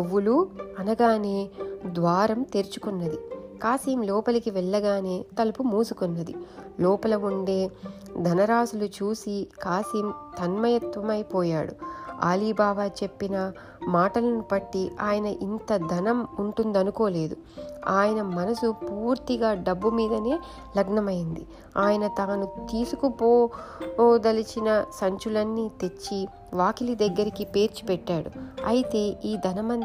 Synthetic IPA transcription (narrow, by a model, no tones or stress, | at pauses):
uʋːuluɐnɐɡaːne̞ːd̪ʋaːɾɐmt̪eɾt͡ʃu̥kunːɐd̪ikaːsiːmlɔːpɐlikiʋɛɭːɐɡaːne̞ːt̪ɐlɐpumuːsukunːɐd̪ilɔːpɐlɐuɳɖe̞ː | d̪ʱɐnɐɾaːsulut͡ʃuːsikaːsiːmt̪ʰɐnmɐjɐt̪ʋɐmɐjpɔːjaːɽṵa̰ːliːbaːʋaːt͡ʃe̞pːinɐ | maːʈɐlɐnupɐʈːiaːjɐnɐʔint̪ɐd̪ʱɐnɐmuɳʈund̪ɐnuko̞ːle̞ːd̪u | aːjɐnɐmɐnɐsupuːɾt̪iɡaːɖɐbːumiːd̪ɐne̞ː | lɐɡnɐmɐjind̪i | aːjɐnɐt̪aːnut̪iːsukupoː | d̪ɐlit͡ʃinɐsɐɲt͡ʃulɐnːiːt̪et͡ʃːi | ʋaːkilid̪ɐɡːɐɾikipe̞ːɾt͡ʃi̥pɛʈːaːɽṵɐjit̪e̞ːʔiːd̪ʱɐnɐmɐ